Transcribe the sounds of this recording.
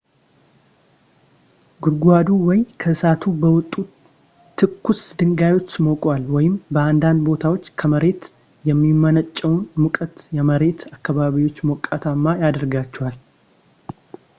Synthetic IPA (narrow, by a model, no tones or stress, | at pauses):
ɡuɾɡʷad̪uwɔjkʰəsat̪ʰubəwɔt̪ʼːu | t̪ʰːɨkːusd̪ɨŋɡajo̞t͡ʃːmokʼwalwɔjɪmbəand̪and̪bo̞t̪ʰawot͡ʃːkʰəməɾe̞t̪ | jɛmːimːənət͡ʃʼːɛwnmukʼət̪jɛməɾe̞t̪ʰakːaβaβiwo̞t͡ʃːmɔkʼːat̪ʰamːajad̪əɾɡat͡ʃːɛhal